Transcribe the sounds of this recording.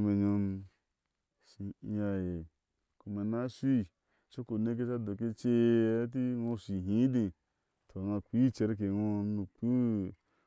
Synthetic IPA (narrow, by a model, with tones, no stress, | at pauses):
me˨ɲo˧n | ʃi˨˦˨ja˨je˨ | ku˨me˨na˦si˦˨ | so˦ko˨ne˦k̬e˦t͡ʃa˦do˨ke˦t͡ʃe˦t̬i˦wõ˧si˨ɦĩ˦di˨ | tʰo˨na˧kʷi˦t͡ʃe˨˦ɾk̬e˨wo˦nu˨k͡pu˦